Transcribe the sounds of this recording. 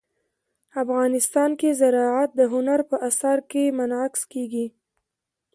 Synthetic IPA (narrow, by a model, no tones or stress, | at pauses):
afɣɑnɪst̪ɑnkezaɾɑʕat̪̚d̪əɦʊnaɾpəʔasaɾkemanakskeɡi